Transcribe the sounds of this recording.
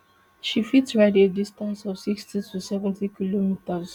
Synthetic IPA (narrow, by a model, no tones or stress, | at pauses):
ʃifitsɹaɪdedistãnsɔfsikstitusɛvɛ̃ntikilomitəz